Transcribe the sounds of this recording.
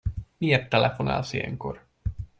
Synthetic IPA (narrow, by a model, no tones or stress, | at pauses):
miert̪ːɛlɛfo̞na̰ːlsijɛ̰ŋko̞̰r